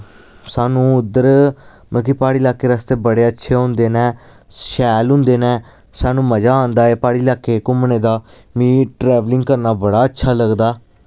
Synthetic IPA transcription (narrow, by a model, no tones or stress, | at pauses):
saːnũːʊd̪əɾ | məkipaːɽiːlaːkːeːɾəst̪eːbəɽeːətːʃʰeːɦʊ̃nd̪eːnɛ̃ː | ʃɛːlɦʊ̃nd̪eːnɛː | saːnũːməd͡ʒaːãːnd̪aːeːpaːɽiːlaːkːeːkʊmneːd̪aː | mĩːʈɾɛːʋlɪ̃ŋɡkəɾnaːbəɽaːətːʃʰaːləɡd̪aː